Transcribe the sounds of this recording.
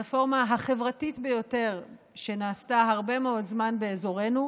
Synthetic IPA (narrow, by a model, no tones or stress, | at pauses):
efo̞ʁmaɦaχe̞vʁatitbe̞jo̞te̞ʁ | ʃe̞naːstaɦaʁbe̞meo̞dzmanbe̞ːzo̞ʁe̞nu